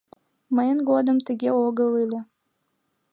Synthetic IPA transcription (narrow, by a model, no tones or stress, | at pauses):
məjənɡod̪əmt̪əɡʲeoɡəlˠɨlʲe